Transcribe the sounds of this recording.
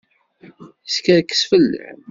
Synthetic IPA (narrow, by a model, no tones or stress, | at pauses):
skæðkːə̥sfəlːə̰